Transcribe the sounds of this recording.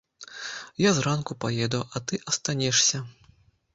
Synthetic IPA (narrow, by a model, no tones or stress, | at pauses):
jazrankupajɛd̪ɐwʔɐt̪ɨʔɐst̪anʲɛʂsʲɐ